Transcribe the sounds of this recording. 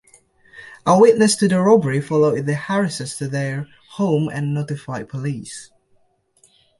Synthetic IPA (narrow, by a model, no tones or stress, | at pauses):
ʔəwɪʔnəstʰɨðəɹɔbəɹifɔloʊðəhæɹɪsɛstʰɨðə | hõʊ̃mə̰̃nːotɪfaɪpʰəliːˑs